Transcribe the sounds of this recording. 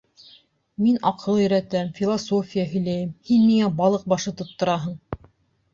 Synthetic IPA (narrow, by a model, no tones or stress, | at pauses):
minʔɑqʰɤlˠɵ̆ɾæt̪æmfʲilˠosofʲijaɦɵ̆jlæjɘmhinmiŋæbɑlˠɤq̚bɑʃɤt̪ŏt̪ːŏɾɑɦɤɴ